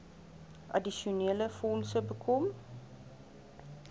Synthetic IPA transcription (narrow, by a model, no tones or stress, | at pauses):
ʔɐ̰diʃiuneːləfɔnsəbəkʰɔm